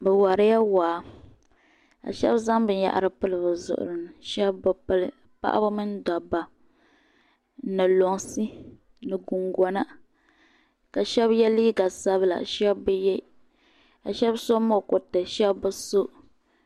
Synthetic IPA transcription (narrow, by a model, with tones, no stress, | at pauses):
bɨ˨wa˨ɾɪ˦ja˦waː˨˦ | a̰˨ʃɛ̰˦bza˦ŋbɨ˦ja̰˨ʔa̰˨ɾɨ˦pɨ˦lɨ˨bɨ˨zʊ̰˨ʔʊ̰˨ɾɨ˨n˨ʃɛ˦bbɨ˨pɨ˦lɨ˦ | pa̰˦ʔa̰˦ba˦mɨ˦n˦dɔ˨ba˨˦ | nɨ˨lo˨ŋsi˦ | nɨ˨ɡu˨ŋɡɔ˦na˦ | ka˨ʃɛ˦bjɛ˦liː˦ɡa˨sa˦bla̰˨ʃɛ˦bːɨ˦jɛ˦ | a˨ʃɛ˦bso˦mo˦˨kʊ˨tɨ˨ʃɛ˦bbɨ˦so˦ʔ